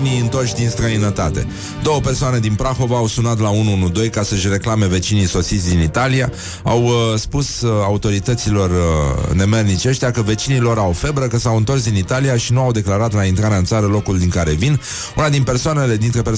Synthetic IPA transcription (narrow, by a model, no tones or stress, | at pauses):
niɨnt̪o̞rt͡ʃʲd̪inst̪ɾəinət̪at̪e̞̰ | d̪o̞wəpe̞rsoane̞d̪inpɾaxo̞vaːwsunat̪launuunud̪o̞jkasəʃre̞klame̞ve̞t͡ʃiniso̞sit̪sʲd̪init̪alia | awspusaut̪o̞ɾit̪ət̪silo̞rne̞mernit͡ʃe̞ʃt̪eakəve̞t͡ʃinilo̞ɾawfe̞bɾəkəsawɨnt̪o̞rs̬d̪init̪alijaʃinuawd̪e̞klaɾat̪laint̪ɾaɾeaɨnt̪saɾəlo̞kuld̪iŋkaɾe̞vin | unad̪inpe̞rsoane̞le̞d̪int̪ɾe̞pe